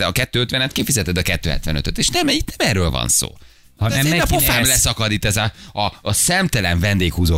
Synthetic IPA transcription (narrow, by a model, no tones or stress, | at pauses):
ɒkɛt̪ːøːøt̪ʋɛnɛt̪kifizɛt̪ɛd̪ɒkɛt̪ːøːɛ̰t̪ʋɛ̰nøt̪øt̪eːʃnɛmit̪nɛmɛːrøːlvɒ̰nso̰ː | hɒnɛzeːɛnɒpofaːmlɛsɒkɒd̪it̪ːɛzɒɒsɛmt̪ɛlɛɱvɛnd̪eːkhuːzoː